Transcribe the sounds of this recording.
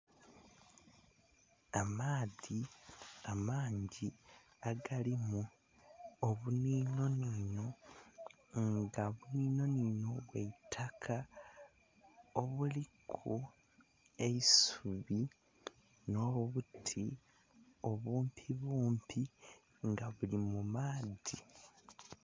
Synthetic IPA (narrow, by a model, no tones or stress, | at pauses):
amaːðiamaːɲɟi | aɡalimu | oβuniːno̞nino̞ | ŋɡaβuniːno̞nino̞βweitʰakʰa | o̞βulikʰu | e̞isuβi | noːoβutʰi | o̞βuːmpʰiβuːmpʰi | ŋɡaβulimumaːði